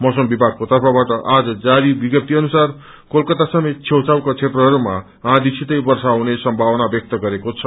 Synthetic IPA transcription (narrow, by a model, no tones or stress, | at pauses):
mʌsʌmbibʱaɡ̚kot̪ʌrpʰʌbaʈʌʔad͡zʌd͡zaɾibiɡjʌp̚t̪iʌnusar | kolkʌt̪asʌmet̪̚t͡sʰewt͡sawkat͡sʰeʈrʌɦʌɾuma | ãd̪isʰit̪ʌjbʌrsaːwnesʌmbʱawʌnabjʌk̚t̪ʌɡʌɾekot͡sʰʌ